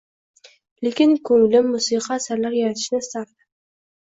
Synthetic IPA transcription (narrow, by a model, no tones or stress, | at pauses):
lekʲɪnkʰɵŋlɪmːusiqʰɑːsaɾlaɾjaɾat̪ʰɪ̥ʃnɪsaɾd̪ɪ